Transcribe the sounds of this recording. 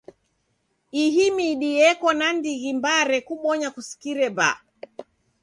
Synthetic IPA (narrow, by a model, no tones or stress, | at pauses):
iɦimiɗiɛkɔnandiɣimbaɾɛkuɓɔɲakusi̥kiɾɛba̰